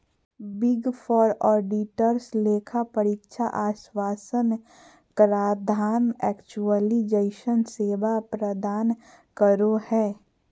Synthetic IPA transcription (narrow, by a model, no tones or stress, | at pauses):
bɪɡfʰɔːɾɔːɖiʈəɾsleːkʰapəɾɪkʃʰaʔaːʃwaːsən | kɾaːd̪ʱaːnɛːkt͡ʃuəlid͡ʒəɪʃənseːʋapɾəd̪aːn | kəɾohɛː